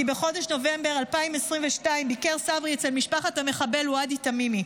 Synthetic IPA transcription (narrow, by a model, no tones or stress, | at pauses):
ibeχo̞deʃno̞ve̞mbe̞ʁalpaimesʁiɱveʃtaimbikeʁsavʁiet͡selmiʃpaχatameχabe̞luaditamimi